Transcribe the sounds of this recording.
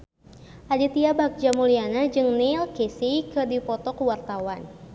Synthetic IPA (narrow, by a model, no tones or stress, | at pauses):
ʔadit̪iabak̚d͡ʒamulianad͡ʒɨŋnilkisikɨrdipɔt̪ɔkəwart̪awan